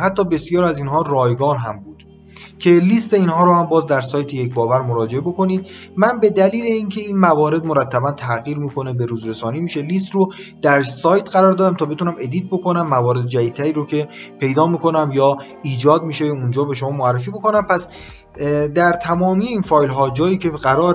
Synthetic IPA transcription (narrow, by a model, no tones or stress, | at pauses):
hæt̪ʰːɒːbe̞sijɒːɾiæziːnɦɒːrɒːjɡɒːnɦæmbuːd̪̥ | cʰe̞liːst̪e̞iːnɦɒːɾohæmbɒːzd̪æɾsɒːjt̪ʰejecbɒːvæɾmoɾɒːd͡ʒe̞ebo̞kʰo̞niːd̪̚mænbe̞d̪æliːleiːncʰe̞iːnmævɒːɾe̞d̪moɾæt̪ʰːæbænt̪ʰæɣiːɾmiːkʰo̞ne̞be̞ɾuːzɾe̞sɒːniːmiːʃe̞liːst̪rod̪̥æɾsɒːjt̪ʰɢæɾɒːɾd̪ɒːd̪æmt̪ʰɒːbet̪unæme̞d̪iːt̪̚bo̞ko̞næmːævɒːɾe̞d̪̚d͡ʒæid̪̚t̪ʰæɾiːɾocʰe̞pʰe̞jd̪ɒːmiːkʰo̞næmjɒː | iːd͡ʒɒːd̪̚miːʃeund͡ʒɒːbe̞ʃomɒːmoærːef̬iːbo̞ko̞næmpʰæs | d̪æɾt̪ʰæmɒːmijeiːnfɒːjlɦɒːd͡ʒɒːjiːcʰe̞ɢæɾɒːɾ